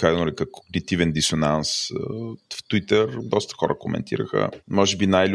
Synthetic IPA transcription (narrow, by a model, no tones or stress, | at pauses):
kanoɾikəkoɡnit̪ivɛnd̪isʊnans | ft̪wit̪əɾd̪ɔst̪ə̥xɔɾʔə̰kʊmɛ̰nt̪ʰḭɾə̰xə̰mɔʒɛbinajlʲ